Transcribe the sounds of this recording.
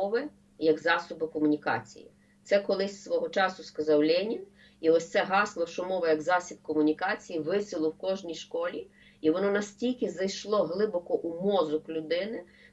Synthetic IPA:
ɔʋɪ | jɐɡzɑsɔbɪkɔmʊnʲikɑ̰t͡sʲḭjḭ | t̪sɛkɔlˠɪsʲsʋɔɦɔt͡ʃɑsʊskɐzɑwlʲɛnʲin | iɔsʲt̪sɛɦɑslˠɔʃɔmɔʋɐjɐɡzɑsʲib̪̚kɔmʊnʲikɑt͡sʲijiʋɪsʲɪlˠɔwkɔʒnʲijʃkɔlʲi | iʋɔnɔnɐsʲtʲilʲkɪzɐjʃlˠɔɦlˠɪbɔkɔʔumɔzʊklʲʊd̪ɪnɪ

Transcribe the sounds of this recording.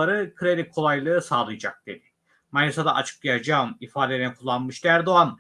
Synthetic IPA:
aɾɯkʰɯɾed̪ʲikʰːo̞lˠajlˠɯːsaːlˠɯjad͡ʒak̚d̪̥e̞d̪̥ɪ̥ | manisad̪aʔat͡ʃʰɯ̥k̚jaad͡ʒaːɯmifaːd̪eɾnɛkʰulˠːanmɯʃd̪æɾd̪o̞an

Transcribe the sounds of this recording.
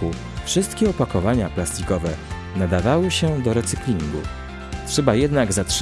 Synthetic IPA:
u | fʂɘst̪kʲɛɔpakɔvaɲaplast̪ʲikɔvɛ | nad̪avawɘɕɛd̪ɔɾɛt̪sɘklʲiŋɡṵ | tʂɛbajɛd̪naɡzatʂ

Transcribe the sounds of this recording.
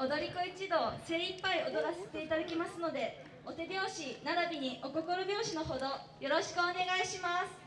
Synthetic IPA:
od̪o̞ɾʲikɯit͡ɕid̪o̞ːsẽ̞ɰ̃ipːaio̞d̪o̞ɾase̥t̪e̞it̪ad̪akʲimasɨno̞d̪e̞ | o̞t̪e̞bʲjo̞ːɕinaɾabʲiɲ̟iʔo̞ko̞ko̞ɾobʲjo̞ːɕino̞ɦo̞d̪o̞ | jo̞ɾo̞ɕi̥kɯ̟one̞ɡaiɕimasɨ̥

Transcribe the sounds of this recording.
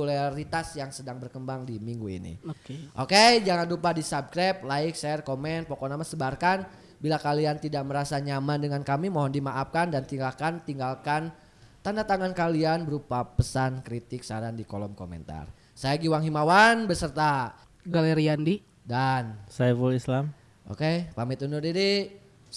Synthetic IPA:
ulaɾit̪asjaŋsədaŋbərkəmbaŋdimiŋɡuḭnḭʔoked͡ʒaŋanlupadisab̚kɾap̚laɪksɛrkomɛn̚pokɔnamasəbarkan | bilakaliant̪idaʔ̚məɾasaɲamandəŋankamimɔɦɔndimaʔap̚kandant̪iŋɡalkant̪iŋɡalkan | t̪andat̪aŋankalianbəɾupapəsankɾit̪ɪk̚saɾandikolɔmkomɛ̰nt̪a̰r | sajaɡiwaŋɦimawanbərsərt̪a | ɡaleɾiandi | dansafəlislam | ʔo̰kepamit̪unurdidi

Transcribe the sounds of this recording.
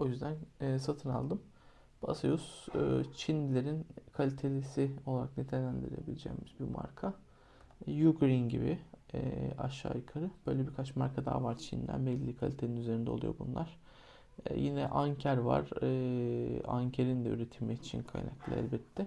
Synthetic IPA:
o̞jyzd̪ænːsat̪ʰɯna̰lˠd̪ɯm | ba̰sajust͡ʃʰind̪ilʲe̞ɾinkʰalʲit̪ʰelʲesio̞lˠaɾak̚net̪ʰelʲænd̪iɾilʲe̞bilʲed͡ʒɛ̰jmizbima̰ɾkʰa | juɡɾinɟibiɛa̰ʃːa̰ːjɯkʰaɾɯb̥øjlʲɛbikʰat͡ʃmaɾkʰad̪a̰ːvaɾt͡ʃʰind̪æ̰nbɛlʲiːikʰalʲit̪ʰeninyze̞ɾind̪ɛolˠujo̞bṵnlˠaɾ̥ | jinɛʔaɲcʰæɾva̰ɾɯːaɲcʰeɾind̪ɛy̰ɾet̪ʰilʲmɛcit͡ʃʰinkʰa̰jna̰klˠa̰æ̰lʲbɛt̪ʰːɛ

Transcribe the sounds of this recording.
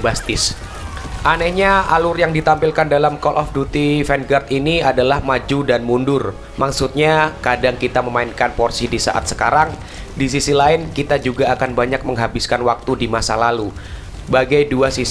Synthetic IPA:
bast̪ɪs | ʔanɛhɲaa̰lʊrjaŋdit̪ampilkandalamkɔlʔɔfdut̪ifɛnɡart̪iniadalahmad͡ʒudanmundʊr | maksut̪̚ɲakadaŋkit̪aməmaɪnkanpɔrsidisa̰ʔa̰t̪̚sə̥kaɾaŋ | dis̬isilaɪnkit̪ad͡ʒuɡaːkanbaɲak̚məŋɦabɪskanwak̚t̪udimasalalu | baɡajduasis

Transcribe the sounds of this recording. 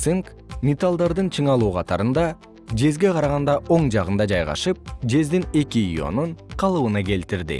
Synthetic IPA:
sɨŋk | mʲet̪alˠd̪ɑɾd̪ɯnt͡ʃʰɯɴɑlˠuːqʰɑt̪ɑɾɯnd̪ɑ | d͡ʒe̞zɡe̞qʰɑɾɑʁɑnd̪ɑʔo̞ɴd͡ʒɑʁɯnd̪ɑd͡ʒɑjʁɑ̰ʃɯp̚d͡ʒe̞zd̪ine̞kʲiḭjo̞̰nuɴqʰɑlˠɯβɯnɑke̞lt̪iɾd̪ɪ̰

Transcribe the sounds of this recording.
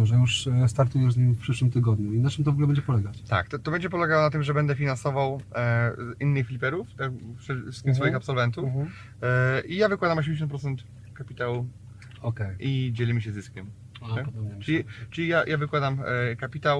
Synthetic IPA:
ʐɛjuʂst̪aɾt̪ujɛzɲimfpʂɘʂwɘmt̪ɘɡɔd̪ɲuinat͡ʂɘmt̪ɔvɔɡulɛbɛɲd͡ʑɛpɔlɛɡat͡ɕt̪a̰kt̪ɔt̪ɔbɛɲd͡ʑɛp̬ɔlɛɡawɔnat̪̬ɘmʐɛbɛnd̪ɛfʲinansɔvaw | zinːɘxfʲlʲipɛɾuft̪akʂɛst̪ʲimsfɔjiixapsɔlvɛnt̪u | ʔijavɨkwad̪amɔɕ̬emd͡ʑeɕɔ̃nt̪pɾɔt̪sɛnt̪ | kapʲit̪awu | ɔkɛjʔid͡ʑɛlʲimʲiɕɛzɘskʲɛm | ɛʈ͡ʂlʲit͡ʂɘlʲijajʔavɘkwad̪amkapʲit̪aw

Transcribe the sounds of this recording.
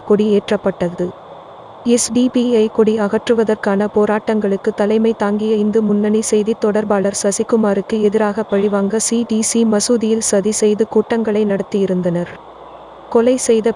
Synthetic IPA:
kɔɽieːʈrɐpːɐʈːɐðɯ | ɛsɖipiɐɪkɔɽiɐɣɐʈrɯʋɐðɐrkaːnɐpoːɾaːʈːɐŋɡɐɭɯkːɯt̪ːɐlɐɪmɐɪt̪aːŋɡɪjɐɪnd̪ɯmʊnːɐnisɛjðit̪ːɔɽɐɾbaːlɐɾsʋɐsɪkːɯmaːɾɯkːɯɛðɪɾaːɣɐpɐɻɪʋaːŋɡɐsiːɖiːsimɐsuːðɪjɪlsɐðisɛjðɯkuːʈːɐŋɡɐɭɐɪnɐɽɐt̪ːijɪɾɯnd̪ɐnɐɾ | kɔlɐɪsɛjðɐ

